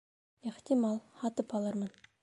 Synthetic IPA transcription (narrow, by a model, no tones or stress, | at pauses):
eχt̪imɑlˠχɑt̪əpɑlˠɑɾmən